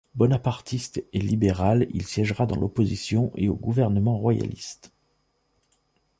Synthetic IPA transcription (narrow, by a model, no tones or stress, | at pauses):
bɔnapaʁt̪ʰist̪elibeʁalḭlsjɛʒʁad̪ɑ̃lʔɔpozisjɔ̃ʔeoɡuvɛʁnəmɑ̃ʁwaja̰lḭst̪